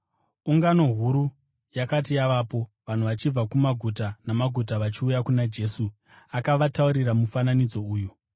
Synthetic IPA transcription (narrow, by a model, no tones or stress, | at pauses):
uŋɡano̞ɦuɾu | jakatijaʋapo̞ | ʋan̤uʋat͡ʃib͡vakumaɡʱutanamaɡʱutaʋat͡ʃiujakunad͡ʒe̞su | akaʋatauɾiramufananid͡zo̞uːju